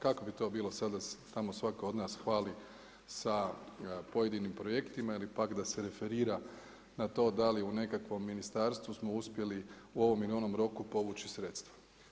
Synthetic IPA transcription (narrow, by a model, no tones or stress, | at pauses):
kako̞bit̪o̞ːbiːlosad̪d̪ase̥t̪amo̞sʋakoo̞d̪naːsxʋaːli | sa | po̞je̞d̪inimpɾo̞je̞kt̪imailipakd̪aseɾe̞fe̞ɾiːɾa | nat̪o̞ːd̪aliune̞kakʋo̞mːinist̪aɾst̪ʋusmo̞uspje̞liuo̞ʋo̞milio̞no̞mɾo̞kupo̞ʋuːt͡ʃisɾe̞t̪st̪ʋḁ